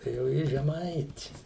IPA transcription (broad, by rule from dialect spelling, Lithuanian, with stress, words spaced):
tɐɪ jɛʊ ˈjɪ ʒʲɛˈmɐɪtʲɪ